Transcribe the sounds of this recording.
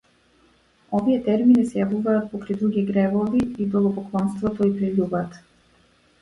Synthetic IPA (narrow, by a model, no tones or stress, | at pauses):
oviɛt̪ɛɾminisɛjavuvaːt̪̚pɔkɾɛjd̪ɾuɡʲiɡɾɛvɔviid̪ɔlˠɔpɔklˠɔnst̪vɔt̪ɔipɾiʎubaːt̪